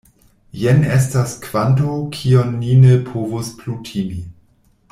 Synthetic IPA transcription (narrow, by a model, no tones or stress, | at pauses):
jenestaskv̥antokʰionːinepʰovosplutʰimi